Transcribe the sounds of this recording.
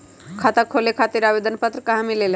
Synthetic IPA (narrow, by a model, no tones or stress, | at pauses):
kʰat̪akʰolekʰaːt̪iɾaʋed̪ənpət̪ɾəkaɦãmilel